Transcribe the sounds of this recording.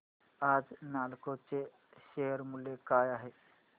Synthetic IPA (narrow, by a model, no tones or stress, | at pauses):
aːd͡ʒnaːlkot͡ʃe | ʃeːəɾmʊlːekaːjaɦeː